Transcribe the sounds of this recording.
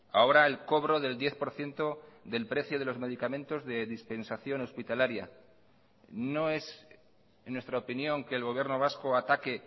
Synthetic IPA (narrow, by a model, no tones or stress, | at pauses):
ao̞ɾaelko̞βɾo̞ðe̞ld̪je̞θpo̞ɾθje̞nt̪o̞ðe̞lpɾe̞θjoð̞e̞lo̞zme̞ð̞ikamẽ̞nt̪o̞zðe̞ðispe̞nsaθjo̞no̞spit̪alaɾja̰ | no̞e̞s | nːwe̞st̪ɾaopinjo̞ŋke̞ːlɣo̞β̞je̞ɾno̞β̞asko̞at̪ake̞